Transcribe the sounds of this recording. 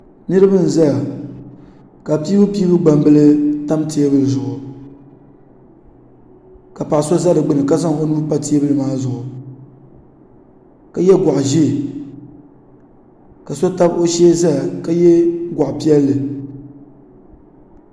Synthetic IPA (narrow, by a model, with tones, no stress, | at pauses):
nɨ˦ɾɨ˦bɨ˦n̩˨za˦ja˨ | ka˨pi˦bɨ˦pi˦bɨ˦ɡ͡ba˨mbɨ˦lɨ˦ta˦mti˨e˦bɨ˨ɾɨ˨zʊ˨ʔʊ˨ | ka˨pa˨ʔso˦za˦ɾɨ˨ɡ͡bɨ˦nɨ˨ka˦za˦ŋo˦nu˦pa˦ti˦e˦bɨ˦lɨ˨maː˦zʊ˨ʔʊ˨ | ka˨jɛ˦ɡʷa˨ʔʒi˦˨ | ka˨so˦ta˦bo˦ʃɛ˦za˦la˨ka˦jɛ˦ɡa˨ʔpi˦ɛ˦lːɨ˨